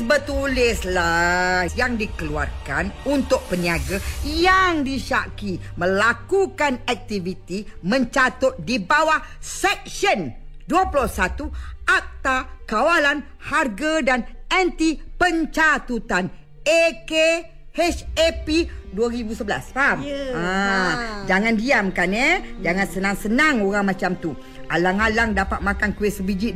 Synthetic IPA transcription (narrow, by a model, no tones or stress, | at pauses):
bət̪ulɪslasjaŋdikəlua̰rka̰nunt̪ʊk̚pəniaɡajaŋdiʃa̰kimə̃lakukanak̚t̪ivit̪imə̃ɲt͡ʃat̪ʊt̪̚dibawahsɛk̚sən | duapulosat̪uʔak̚t̪akawalan | harɡədanɛnt̪ipəɲt͡ʃat̪ut̪an | eke | hɛt͡ʃepiduaɾibusəbəla̰sama | d͡ʒaŋandiamkanəd͡ʒaŋansənaŋsənaŋoɾaŋmãt͡ʃamt̪u | alaŋalaŋdapat̪̚makankuɪsəbid͡ʒi